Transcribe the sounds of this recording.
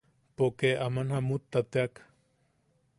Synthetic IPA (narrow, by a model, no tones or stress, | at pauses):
pokeamanhamut̪ːat̪eak